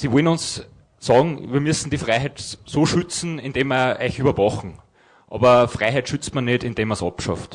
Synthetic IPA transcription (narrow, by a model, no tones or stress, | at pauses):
siʋɔlnʊns | sɑːɡŋ̩ʋiːɐmʉsn̩d̥ifʁaɪɦɛtsoːʃyt͡sn̩ɪnd̥eːmɐæ̰ɪçyβɐvɑχŋ̩ | ʔɑ̰ːbɐfʁaɪɦætʃyt͡stmɐnedɪnd̥eːmːɐsɑpʃɑ̰ft